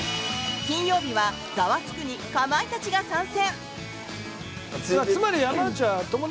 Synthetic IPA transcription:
kʲĩɰ̃jo̞ːbʲiβa | ɡ̥aβakʲi̥kɯ̟ɲ̟ikamait̪at͡ɕiɡasãɰ̃sẽ̞ɴ | aɨmaɾʲijanãnt͡ɕat̪omo

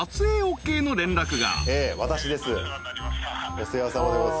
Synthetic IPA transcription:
at͡sɨeːoke̞ːno̞ɾẽ̞nɾakɯ̟ɡa̰eːβat̪aɕid̪e̞sɨ | oseβasamoɾeo

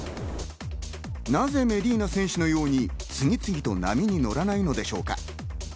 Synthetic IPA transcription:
naze̞me̞ɾʲiːnasẽ̞ɰ̃ɕɨno̞jo̞ːɲ̟it͡sɨŋ̟ʲit͡sɨɡʲit̪o̞na̰mʲiɲ̟ino̞ɾanaino̞d̪e̞ɕo̞ːka̰

